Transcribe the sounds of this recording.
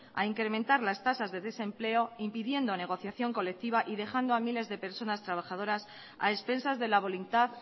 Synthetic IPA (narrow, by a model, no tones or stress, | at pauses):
a̰iŋkɾe̞mẽnt̪aɾlast̪asazðe̞ðe̞se̞mple̞o̞impiðje̞nd̪one̞ɣ̞o̞θjaθjo̞ŋko̞le̞k̚t̪iβaʔið̞e̞xand̪oamile̞zðe̞pe̞ɾso̞nast̪ɾaβ̞axaðo̞ɾas | a̰espe̞nsazðe̞laβ̞o̞lunt̪að